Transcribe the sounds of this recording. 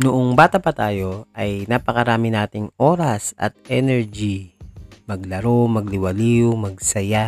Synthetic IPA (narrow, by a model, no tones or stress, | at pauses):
nʊʔoŋbaːt̪ɐpɐt̪aːjo̞ʔɐjnaːpɐkɐɾaːmɪnaːt̪ɪŋoːɾɐsʔɐ̰t̪̚ɛnɛɹd͡ʒi | mɐɡlɐɾomɐɡ̚lɪwɐliːʊmɐɡ̚sɐja